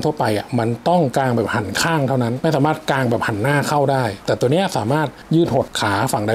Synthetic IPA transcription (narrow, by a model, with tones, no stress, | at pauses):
t̪ʰu˥˩ɐpa˧jʔa˨˩ma˧nt̪ɔ˥˩ŋkaː˧ŋbɛː˨˩p̚ha˨˩˦nkʰaː˥˩ŋt̪ʰa˥˩wna˦˥nma˥˩jsaː˩˦maː˥˩t̪̚kaː˧ŋbɛː˨˩p̚ha˨˩˦nːaː˥˩kʰa˥˩wdaː˥˩jt̪ɛː˨˩t̪u˧ni˦˥˨saː˩˦maː˥˩t̪̚jɯː˥˩n̚ho˨˩t̪̚kʰaː˩˦fa˨˩ŋdaː˥˩